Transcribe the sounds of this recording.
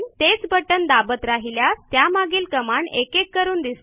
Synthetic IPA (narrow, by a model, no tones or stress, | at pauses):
t̪et͡sbəʈənd̪abət̪ɾaɦiljat̪jamaɡiːlkəmaɳekekːəɾuːnd̪ist̪